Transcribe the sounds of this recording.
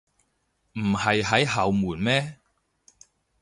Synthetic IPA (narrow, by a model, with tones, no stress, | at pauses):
m̩˨˩hɐ˨jɦɐ˨˥jɦɐ˨wmuː˨˩nmɛː˥